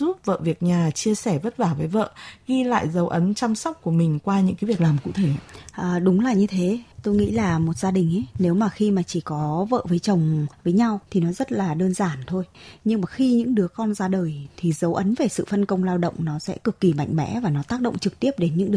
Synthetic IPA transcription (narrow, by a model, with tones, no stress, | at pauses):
zu˦˥p̚və̰ː˧˨vi˨˩ək̚ɲaː˨˩t͡ɕi˧əsɛ˧˩və˦˥t̚vaː˧˩vəː˨˦jvə̰ː˧˨ɣi˧la̰ː˧˨jzə˨˦wʔə˨˦nt͡ɕa˧msa˦˥wk͡p̚ku˧˩əmï˨˩ŋ̟kwaː˧ɲɨ̰˧˥ŋkaː˨˦vi˨˩ək̚laː˨˩mkṵ˧˥˨t̪ʰe˧˩a˨˧ʔəː˨˩ɗʊ˨˦ŋ͡mlaː˨˩ɲɨ˧t̪ʰe˨˦t̪o˧jŋḭ˧˥laː˨˩mo˨˩t̚z̥aː˧ɗï˨˩ŋ̟ʔə˨˦ne˨˦wmaː˨˩xi˧maː˨˩t͡ɕi˧˩kɔ˨˦və̰ː˧˨vəː˨˦jt͡ɕə˨˩wŋ͡mvəː˨˦jɲa˧wt̪ʰi˨˩nɔ˨˦zə˦˥t̚laː˨˩ɗəː˧nzaː˧˩nt̪ʰo˧jɲɨ˧ŋmaː˨˩xi˧ɲɨ̰˧˥ŋɗɨ˨˦əkɔ˧nzaː˧ɗəː˨˩jt̪ʰi˨˩zə˨˦wʔə˨˦nve˨˩sɨ̰˧˨fə˧nkə˧wŋ͡mlaː˧wɗə̰˧˨wŋ͡mnɔ˨˦sɛ̰˧˥kɨ˨˩kːi˧˩ma̰˧˨jŋ̟mɛ̰˧˥vaː˨˩nɔ˨˦t̪aː˦˥k̚ɗə̰˧˨ŋ͡mt͡ɕɨ˨˩k̚t̪i˦˥əp̚ɗe˨˦nɲɨ̰˧˥ŋɗɨ˨